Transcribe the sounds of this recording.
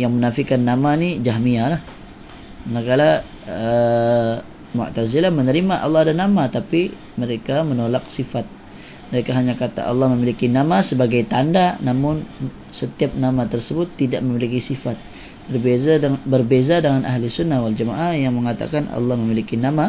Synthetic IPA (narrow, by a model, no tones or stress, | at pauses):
jaŋmənafikanːamanid͡ʒaɦmialah | ŋakala | ə | mʊ̰ʔt̪azilamənəɾimaʔɑ̰lːɑhadanamat̪api | məɾekamənolak̚sifat̪̚ | məɾekaɦaɲakat̪a̰ʔɑ̰lːɑhməmilikinamasəbaɡajt̪andanamʊn | sət̪iap̚namat̪ərsəbʊt̪ːidaʔməmilikisifat̪̚ | bərbezabərbezadəŋanʔaɦlisunːahwald͡ʒama̰ʔahjaŋməŋat̪a̰kanʔɑ̰lːɑhməmilikinama